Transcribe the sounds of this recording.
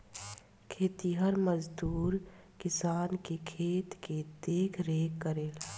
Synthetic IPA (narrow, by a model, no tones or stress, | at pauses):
kʰeːt̪iɦəɾməd͡ʒd̪uːɾ | kɪsaːnkekʰeːt̪ked̪eːkʰɾeːkːəɾeːl